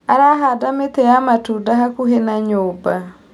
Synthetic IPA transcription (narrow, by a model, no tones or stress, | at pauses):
aɾaɦadametɛjamatudaɦakuɦenaɲoba